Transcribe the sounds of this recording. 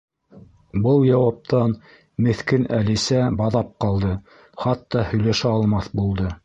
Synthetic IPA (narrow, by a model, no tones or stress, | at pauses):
bɤlˠjɑwɑp̚t̪ɑn | mɘ̆θkɘnʔælɘ̆sæbɑðɑp̚qɑlˠd̪ɤ | χɑt̪ːɑhɵ̆jlæʃæɑlˠmɑθbulˠd̪ɤ